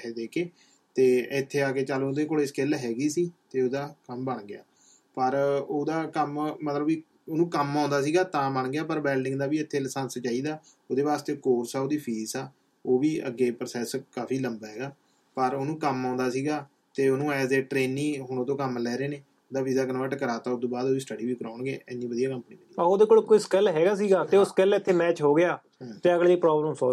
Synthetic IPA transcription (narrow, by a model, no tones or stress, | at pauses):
d̪eːkeː | t̪eːɪt̪ʰːeːaːkeːt͡ʃaːlõːd̪eːkoːeːskɪlɦɛːɡiːsiːt̪eːoːd̪aːkəmbəɳɡɪja̰ː | pəɾoːd̪aːkəmmət̪ləbiː | oːnũːkəmãːnd̪aːs̬iːɡaːt̪ãːbəɳɡɪjaːpəɾbɛːlɖɪ̃ŋɡd̪aːʋiːɪt̪ʰːeːlɪsənst͡ʃaːiːd̪aː | oːd̪eːʋaːst̪eːkoːɾsaːoːd̪iːpʰiːsaː | oːʋiːə̰ɡːeːpɾəsɛːskaːpʰiːləmbaːɦɛːɡaː | pəɾoːnũːkəmãːnd̪aːsiːɡaː | t̪eːoːnũːɛːseːʈɾeːnːĩːɦʊɳoːt̪õːkəmlɛːɾeːneː | od̪aːpʰiːzaːkəɾnːʋaːʈəkəɾaːt̪aːʊd̪õːbaːd̪oːiːsʈəɖiːʋiːkəɾãːʊɳɡḛːɪnːĩːʋəd̪ijaːkəmniːmɪniaoːd̪eːkoːlkoːiskɛlɦɛːɡaːs̬iːɡaːt̪eːʊskɛlɪt̪ʰːeːmɛːt͡ʃɦoːɡɪjãː | t̪eːəɡliːpɾɔːbləmsɔ